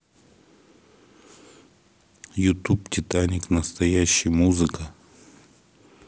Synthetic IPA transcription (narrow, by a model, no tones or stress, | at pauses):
jʊt̪uptʲɪt̪anʲɪknəst̪ɐjæɕːɪjmuzɨkə